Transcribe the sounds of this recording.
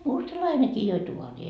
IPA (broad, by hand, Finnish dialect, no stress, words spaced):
mustɑlɑinekiː joi tuoriː